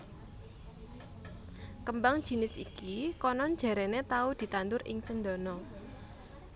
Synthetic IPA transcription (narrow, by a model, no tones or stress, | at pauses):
kəmbaŋd̥ʒ̥i̤nɪsikikɔnɔn̥ʒ̥a̤ɾɛnet̪aud̪̥i̤t̪ant̪ʊɾʔɪ̰ŋt͡ʃənd̪ɔ̤nɔ